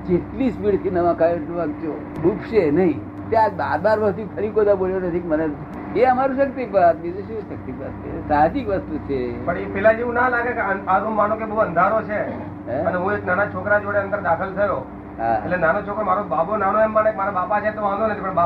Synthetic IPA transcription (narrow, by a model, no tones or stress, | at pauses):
d͡ʒeʈlispiɽt̪ʰinəʋãkajot̪ũʋãɡd͡ʒo | ɗupʰʃenəɦĩ | t̪jãbaɾbaɾʋəst̪upʰəɾikod̪aboljonət̪ʰikməne | beaəmaɾũʃək̚t̪ipak̚bid͡ʒuʃuʃək̚t̪ipakesad͡ʒikʋəst̪ut͡ʃʰepəɳepɛlad͡ʒiʋũnalaɡekeəaɾũmːanõkebəuə̃nd̪ʱaɾot͡ʃʰẽ | əneɦũeknanat͡ʃʰokɾad͡ʒoɽeə̃nd̪əɾd̪akʰəlt̪ʰəjo | ɦa̰ḛlenanot͡ʃʰokɾomaɾobabonanoɛmbanek̚emaɾabapat͡ʃʰet̪oʋãnd̪onət̪ʰipəɳba